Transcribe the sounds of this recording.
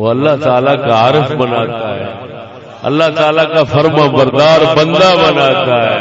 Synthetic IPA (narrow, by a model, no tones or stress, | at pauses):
oɐlːaɦt̪aːlakaaːɾəfbənaːt̪aːɦḛː | ɐ̰lːaɦt̪aːlakaːfʰɐɾmãbəɾd̪aːɾbə̃nd̪abənaːt̪aɦeː